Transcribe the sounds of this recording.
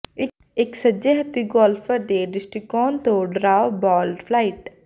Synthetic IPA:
ɪ | ɪksəd͡ʒeɦt̪iɡɔːlfʰəɾd̪eɖɪsʈikɔːnt̪õɖɾaːbɔːlɖpʰlaːɪʈ

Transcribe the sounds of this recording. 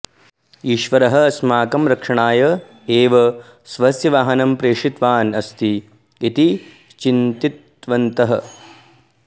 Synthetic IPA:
iːʃʋɐɾɐɦɐ̆ɐsmaːkɐmɾɐkʂɐɳaːjɐ | eːʋɐ | sʋɐsjɐʋaːɦɐnɐmpɾeːʂit̪ʋaːnɐst̪iː | t̪i | t͡ʃint̪it̪ | ʋɐnt̪ɐɦɐ̆

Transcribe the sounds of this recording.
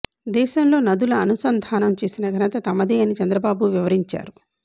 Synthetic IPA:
d̪ɛːʃɐmlo̞ːnɐd̪ulɐːnusɐnd̪ʱaːnɐmt͡ʃe̞ːsinɐɡʱɐnɐt̪ɐt̪ɐmɐd̪eːɐnit͡ʃɐnd̪ɾɐbaːbuʋiʋɐɾiɲt͡ʃa̰ːɾu

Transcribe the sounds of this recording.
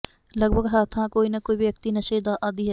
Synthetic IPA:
lɐɡbʱəɡɦaːt̪ʰãkoːinɐkoːibʱʋjɐk̚t̪inɐʃeːd̪aʔaːd̪iɦɛ

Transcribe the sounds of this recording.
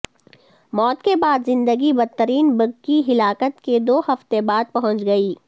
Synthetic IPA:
mɔːt̪kebaːd̪zɪ̃nd̪əɡibɐd̪̚t̪ːəɾiːnbɐɡkiɦɪlaːkət̪ked̪oːhɐft̪ebaːd̪̚pɐɦʊ̃nt͡ʃɡɐiː

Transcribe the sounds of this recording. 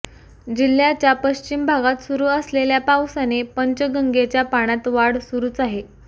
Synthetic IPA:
d͡ʑil̤ːjat͡ɕjapəɕt͡ɕimbʱaɡat̪suɾuːəsleljapawsanepəɲt͡ɕəɡəŋɡet͡ɕjapaɽ̃at̪ʋaɽsuɾuːt͡saɦe

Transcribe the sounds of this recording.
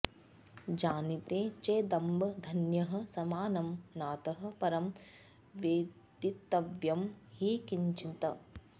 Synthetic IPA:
d͡ʒaːnit̪ẽːt͡ʃeːd̪ɐmbɐd̪ʱɐnjɐɦɐ̆sɐmaːnɐmnaːt̪ɐɦɐ̆pɐɾɐm | ʋeːd̪it̪ːɐʋjɐmhikiɲt͡ʃit̪ɐ

